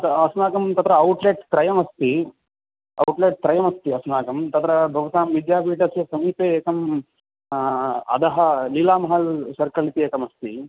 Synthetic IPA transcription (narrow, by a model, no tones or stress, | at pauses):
ɐt̪ɐsnaːkɐmt̪ɐt̪ɾɐɐwʈleʈt̪ɾɐjɐmɐst̪i | ɐ̰wʈleːʈ̚t̪ɾɐjɐmɐst̪iɐsnaːkɐmt̪ɐt̪ɾɐbʱɐʋɐt̪aːmʋid̪jaːbiːʈɐsjɐsɐmiːp̪eeːkɐm | ɐ̰d̪ɐɦɐliːlaːmɐɦɐlsɐɾkɐlit̪ieːkɐmɐst̪i